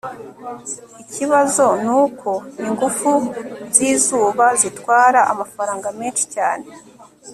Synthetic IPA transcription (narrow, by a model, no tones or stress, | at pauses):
iciβazo̞nuːkʰo̞niŋɡufuz̥iːzuːβazitwaːɾaʔamafaɾaːŋɡameːnʃi̥caːne̞